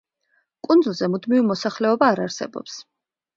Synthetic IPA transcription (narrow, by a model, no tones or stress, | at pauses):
kʼund̪zulˠzɛmud̪mivimɔsaχlɛɔbaːɾaɾsɛ̰bɔ̰ps